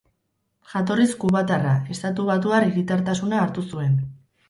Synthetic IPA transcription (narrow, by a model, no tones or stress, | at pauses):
ʝat̪̬o̞riskuβat̪arae̞st̪at̪uβat̪̬uariɾit̪aɾt̪asunaːɾt̪usue̞n